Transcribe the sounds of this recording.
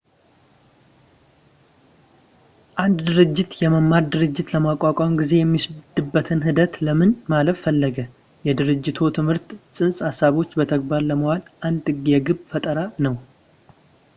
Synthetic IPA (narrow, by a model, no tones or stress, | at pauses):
ʔand̪d̪ɨɾɨd͡ʒːɪt̪jɛməmːaɾd̪ɨɾɨd͡ʒːɪt̪ləmakʷʼakʷʼamɡize̞jɛmːisd̪ɨbːət̪ʰɨnɦɨd̪ət̪ləmɨnmaləffəlːəɡə | jɛd̪ɨɾɨd͡ʒːɪt̪ʰot̪ʰɨmhɨɾt̪sʼɨnsʼhasaβo̞t͡ʃːbət̪ʰəɡ̚baɾləməhalʔand̪ɨɡɛɡɨbfət̪ʼəɾanəw